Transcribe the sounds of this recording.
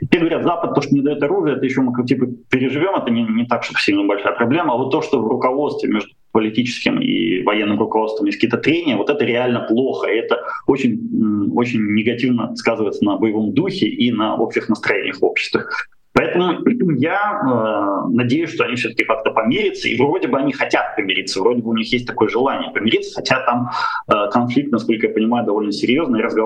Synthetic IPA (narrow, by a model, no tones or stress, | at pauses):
tʲɪpʲeɡəvɐɾʲat̪zapət̪̚t̪ːo̞ʂt̪onʲɪd̪ɐjo̞t̪ɐɾuʐɨjəɛt̪əjɪɕːo̞mɨktʲipəpʲɪɾʲɪʐɨvʲo̞mɛt̪ənʲɪnʲɪt̪akʂt̪opfsʲiɡnʲɪbɐlʲʂajəpɾɐblʲeməːvot̪ːoʂt̪ovrʊkɐvo̞t̪st̪vʲɪ̰mʲeʐd̪ʊpəlʲɪtʲit͡ɕɪ̥skʲɪmḭvɐjenːɨmrʊkɐvo̞t̪st̪vəmjesʲkiːt̪ət̪ɾʲenʲɪjəvo̞t̪ɛt̪əɾʲɪalʲnəplˠo̞xəɪɛt̪əot͡ɕɪn̩ʲot͡ɕɪnʲnʲːɪɡɐtʲivnəskazɨvəjɪt̪sənəbəjɪvo̞md̪uxʲɪʔinəopɕɪɪxnəst̪ɾɐjenʲɪ̰jəxo̞pɕːɪ̥st̪vəx | pɐɛt̪əmʊpʲɛtʲɪmjaənɐdʲejʊsʲʂt̪oɐnʲifsʲoəkʲɪkakt̪əpɐmʲeɾʲɪt̪sə̰ḭvro̞dʲɪbɨɐnʲixɐtʲat̪̚pəmʲɪɾʲit̪səvɾo̞dʲɪbɨʊnʲixjes̬ʲt̚ʲt̪ɐko̞jəʐɨlˠanʲɪjəpəmʲɪɾʲit̪sə̥xɐtʲat̪aməkɐnflʲik̚t̪nɐsko̞lʲkəjapənʲɪmajʊd̪ɐvo̞lʲnəsʲɪɾʲjo̞znəjaɾəzɡɐ